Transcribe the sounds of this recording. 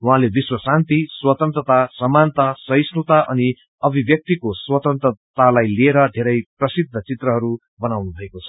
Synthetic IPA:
wuɦãlebiswʌsant̪iswʌt̪ʌnt̪rʌt̪asʌmant̪asʌjsnut̪aʔʌni | ʌbʱibjʌk̚t̪ikoswʌt̪ʌnt̪rʌt̪alajlieɾʌd̪ʱeɾʌjprʌsid̪ʱːʌt͡sit̪rʌɦʌɾu | bʌnawnubʱʌekot͡sʰʌ̥

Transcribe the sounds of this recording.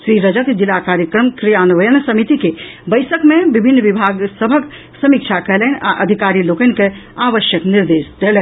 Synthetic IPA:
ʃɾiɾəd͡ʒəkd͡ʒilakaːɾjəkɾəmkɾijanʋəjənsəmit̪ikebəɪsəkmẽbibʱɪnːʋibʱaɡsəbʱək | sɐmik̚t͡ʃʰakəɦlənʔa̰ʔəd̪ʱikaːɾilokənkeaːʋəʃjəkniɾd̪eːsd̪elɛ

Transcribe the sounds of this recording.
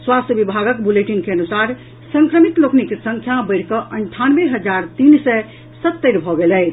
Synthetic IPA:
swast̪əbibʱaɡəkbuleʈiŋkeənusaɾ | səŋkɾəmit̪loknikesə̃ŋkʰjabəɪɽ̤kəʔəɳʈʰanbeɦəd͡ʒaɾt̪insɛ | sət̪ːəɾbʱɔɡelɛɪt͡ʃʰ

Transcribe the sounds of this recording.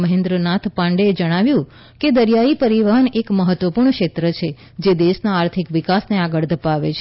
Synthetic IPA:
məɦẽnd̪ɾənat̪ʰpãɳɖeːd͡ʒəɽ̃aʋjũ | ked̪əɾjaipəɾiʋaɦənekməɦət̪ːʋəpuɾɳkʃet̪ɾət͡ʃʰe | d͡ʒed̪eʃnaːɾt̪ʰikʋikasneaɡəɭd̪ʱəpaʋḛt͡ʃʰe

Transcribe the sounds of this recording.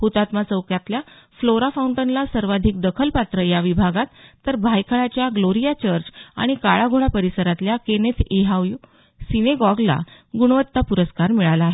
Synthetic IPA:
hut̪at̪mat͡səwkʰjat̪lja | floɾafawuɳʈənlasəɾʋad̪ʱik̚d̪əkʰəlpat̪ɾəjaʋibʱaɡat̪ːəɾbʱajkʰəɭat͡ɕjaɡloɾijat͡ɕəɾd͡ʑa̰ɽ̃ikaɭaɡʱoɭapəɾisəɾat̪ljakenet̪eɦaʋju | sineɡɔɡla̰ | ɡuɽ̃ʋət̪ːapuɾəskaɾmiɭalaːɦe

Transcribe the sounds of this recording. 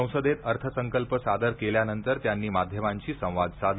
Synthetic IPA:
ə̃w̃səd̪et̪əɾt̪ʰəsəŋkəlpəsad̪əɾkeljanənt̪əɾt̪janːiːmad̪ʱjəmaɲt͡ɕiːsə̃w̃ʋad̪sad̪

